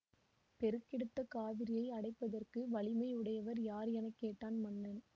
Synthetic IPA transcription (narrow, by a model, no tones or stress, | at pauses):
pɛɾɯkːɪɽɯt̪ːɐkaːʋɪɾɪjɐɪɐɽɐɪpːɐðɐrkɯʋɐɭɪmɐɪɯɽɐjɐʋɐɾjaːɾɛnɐkːeːʈːaːnmɐnːɐn